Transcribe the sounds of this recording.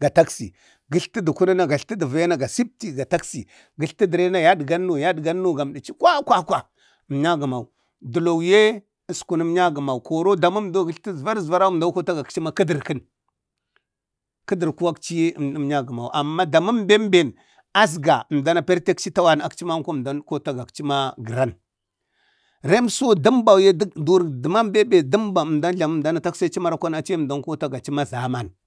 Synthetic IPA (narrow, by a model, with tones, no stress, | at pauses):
ɡa˨ta˦ksḭ˨ | ɡi˦ɬti˦du˨ku˦ɾi˦na˦˨ɡa˨ɬti˦də˨va˦ja˦na˦ɡa˨si˦p̚ti˦ɡa˨ta˦ksi˨ | ɡi˨ɬti˦di˨ɾe˦na˦ja˦dɡa˦nː˦u˨ja˦dɡa˦nː˦u˦ɡa˨m˨di˨t͡ʃi˦kwa˦kʷa˦kʷa˨ | m˨ɲa˦ɡə˨ma˨u˨ | du˨lo˨wje˦˨ | sku˨ni˦m˦ɲa˦ɡə˨ma˨u˨ko˨ɾo˦da˨mu˦mdo˦ɡi˦ɬti˦zva˦ɾzva˦ɾa˦u˦m˨da˦ko˦ta˦ɡa˨kt͡ʃi˦ma˦ki˦di˨ɾkə˦n | kə˦di˨ɾku˦wa˦kt͡ʃi˦˨˦m˦ɲa˦ɡə˨ma˨u˨ʔa˨mːa˦da˨mu˦mbe˦mbe˨n | a˦s̬ɡa˨m˨da˦na˨pe˦ɾte˦kt͡ʃi˦ta˦wa˦na˨kt͡ʃi˦ma˦ŋ˦ku˦˨da˨˦nko˦ta˦ɡa˨kt͡ʃi˦ma˦ɡə˨ɾa˦n | ɾe˦mso˦di˦mba˨wje˦du˦ɾdə˨ma˦mbe˦be˨di˦mba˨m˨da˦n˦ɬa˨m˦˨da˦na˨ta˦ksa˦t͡ʃi˦ma˦ɾa˨kʷa˦na˨t͡ʃi˦˨da˦ŋ˦ko˦ta˦ɡa˨t͡ʃi˦ma˦za˨ma˦n